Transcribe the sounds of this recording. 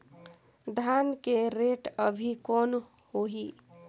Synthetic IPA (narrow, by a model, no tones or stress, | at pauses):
d̪ʱankeɾeːʈəbʱikɔːn | hoɦi